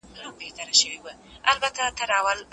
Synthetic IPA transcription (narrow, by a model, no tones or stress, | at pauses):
nubeht̪aɾaʃəwewa | albat̪at̪aɾɑwal